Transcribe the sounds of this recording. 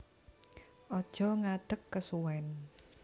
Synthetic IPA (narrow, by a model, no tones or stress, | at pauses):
ʔɔd̥ʒ̥ɔ̤ŋaɖ̪̥əkːəsuwɛn